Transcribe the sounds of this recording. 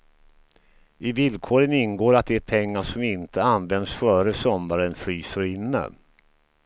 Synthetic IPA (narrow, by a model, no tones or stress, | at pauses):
ɪvɪlkʰoːɾənɪnɡoːɾat̪̚d̪ɛæɾpʰɛŋːaʂɔmɪnt̪ʰəanvɛnd̪sfœːɾəsɔmdaɾənflyːsəɾɪnːə̰